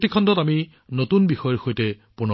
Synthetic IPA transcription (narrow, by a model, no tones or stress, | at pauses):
tikʰɔndɔtami | notunbixɔjɔɹxojtɛ | punɔ